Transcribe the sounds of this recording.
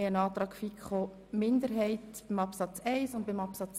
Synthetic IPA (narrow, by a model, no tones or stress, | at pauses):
ənɑːtɾɑːkfikχoː | mɪndəɾɦɛɪtb̥ɪmɑpsɑt͡sɛɪsʊnt̚b̥ɪmɑpsɑt͡s